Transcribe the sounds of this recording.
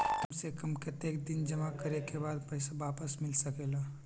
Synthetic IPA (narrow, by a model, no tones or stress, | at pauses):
t̪ʊmsekɐmket̪eːk̚d̪ɪnd͡ʒɐmakəɾekebaːd̪̚pɛɪsaʋaːpəsmɪlsɐkeːlaː